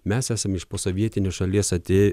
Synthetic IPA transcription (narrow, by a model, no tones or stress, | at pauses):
mʲæsæːsɐmɪʃpoːsoʋʲiɛt̪ʲɪnʲoːʃɐlʲiɛsɐt̪ʲeː